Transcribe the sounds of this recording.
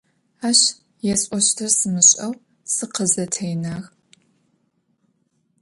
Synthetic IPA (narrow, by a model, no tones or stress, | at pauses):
aːɕ | jɛsʼɔɕtʰɐrsɨmɨɕʼɐw | sɨqəzɐtʰɐjnaːɣ